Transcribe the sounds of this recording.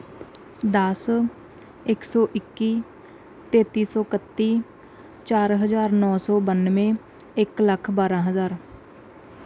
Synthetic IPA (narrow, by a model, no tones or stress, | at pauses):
d̪əs | ɪksɔːʔɪkːiː | t̪eːt̪iːsɔːkət̪ːiː | t͡ʃaːɾɦəzaːɾnɔːsɔːbənmẽː | ɪkləkʰbaːɾãːɦəzaːɾ